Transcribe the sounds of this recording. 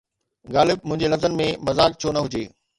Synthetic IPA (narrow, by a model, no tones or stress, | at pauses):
ɡaːlɪb̚mʊ̃ɦɪ̃ɲd͡ʑelɐzənmẽmɐzaːk̚t͡ɕʰonɐɦʊd͡ʑeː